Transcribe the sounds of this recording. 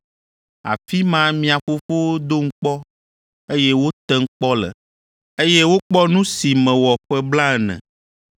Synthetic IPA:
a̰˨fi˦mã˦mĩ˨a˨ɸo˨fo˦d̪o˦ŋ̩˦k͡pɔ˦ | e˦jɛ˦wo˦t̪ɛ˦ŋ̩˦k͡pɔ˦lɛ̰˨ | e˦je˦wo˦k͡pɔ˦nũ˦si˨mɛ̃˨wɔ˨ɸɛ˦bla˦ɛ˨nɛ̰̃˨

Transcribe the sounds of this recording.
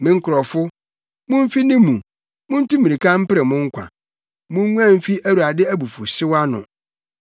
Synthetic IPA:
mɪ̃˨ŋ̩˦kʰʊ˨ɾɔ˨fʊ˦ | mʊ̃˦m̩˦fi˦nɪ̃˦mũ˨ | mʊ̃˦n̩˦tũ˦mĩ˨ɾi˨kʰã˦m̩˦pɪ˦ɾɛ˨mʊ̃˦ŋ̩˦kʷʰã̰˨ | mʊ̃˦ɲu˦ã˦˨m̩˦fi˦ʔæ˦ɾu˨a˨dɪ˦æ˦bu˨fʊ˨ɕɪ˦wa˦nʊ̰̃˨

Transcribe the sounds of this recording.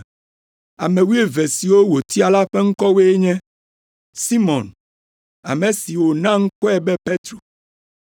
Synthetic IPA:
a̰˨mẽ˨wu˦e˦vɛ˨si˨wo˦wo˨t̪i˦a˨la˦ɸɛ˦ŋ̩˦kɔ˦we˦e˦ɲɛ̃˦ | si˦mɔ̃˨n | a̰˨mẽ˨si˨wo˨nã˦ŋ̩˦kɔ˦ɛ˦bɛ˦pe˦t̪ɾo˨

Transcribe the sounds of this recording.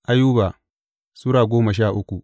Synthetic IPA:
ʔa˦juː˦ba˨ | sʊ˦ɽaː˨ɡʷoː˦mɐ˨ʃ̬aː˦˨ʔʊ˦kʷu˨ʔ

